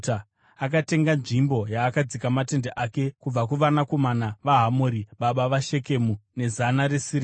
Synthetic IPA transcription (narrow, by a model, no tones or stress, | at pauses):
a | ak̬ate̞ŋɡanʐimbo̞jaːkad͡zikamate̞ndeʔake̞kub͡vakuʋanako̞manaʋaɦamoɾiɓaɓaʋaʃe̞ke̞mune̞zanaɾesiri